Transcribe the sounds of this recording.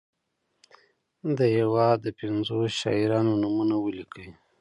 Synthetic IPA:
d̪əjawɑd̪əpɪnzoʃɑ̰iɾɑnonumunawəlikʰəwi

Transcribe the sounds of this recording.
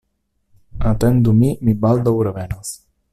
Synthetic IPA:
at̪ɛnd̪umimibald̪əwɾəβɛnəs

